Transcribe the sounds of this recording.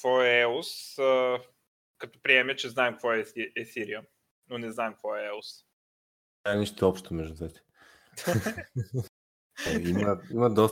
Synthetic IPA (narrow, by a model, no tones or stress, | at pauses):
kvɔɛɛosə | kɐt̪ɔ̥pɾiɛmɛt͡ʃɛznaɛmkvɔɛɛsiɾiə | nonɛznaɛmkvɔɛɛlˠos | t̪aɛnɛʃt̪oɔpʃt̪omɛʒd̪ut̪vɛt̪ɛ̥ | aiməiməd̪ɔs